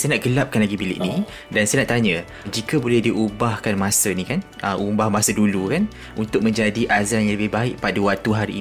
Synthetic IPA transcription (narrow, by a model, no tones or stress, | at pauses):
sajənaʔɡəlap̚kanlaɡibilɪ̰ʔni | dansajənaʔt̪aɲə̃ | d͡ʒikəbolɛhdiʔubahkanmasənĩkanʔəʔumbahmasədulukan | unt̪ʊk̚mə̃ɲd͡ʒadiʔazanjãŋləbɪhbaɪʔpadəwat̪uɦaɾiː